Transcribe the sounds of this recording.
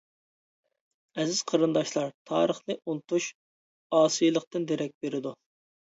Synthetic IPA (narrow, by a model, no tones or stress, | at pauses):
ɛzɪz̥qʰəɾɨnd̪ɑʃlˠɑɾt̪ʰɑ̰ːɾəχnɨʔunt̪uʃ | ɑːsɨjlˠəqt̪ɨnd̪eɾɛk̚ʲbeɾɪd̪u